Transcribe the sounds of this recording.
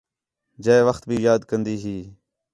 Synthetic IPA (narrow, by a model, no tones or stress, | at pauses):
d͡ʒəeʋəxt̪̚bʱiːjaːd̪kənd̪iːɦiː